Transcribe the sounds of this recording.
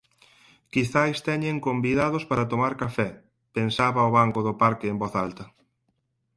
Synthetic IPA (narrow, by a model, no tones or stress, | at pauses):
kiθajst̪ɛɲeŋkombiðaðʊspaɾɐt̪omaɾkafɛ | pensaβɐoβ̞aŋkʊðʊpaɾkɪːmbɔθalt̪ɐ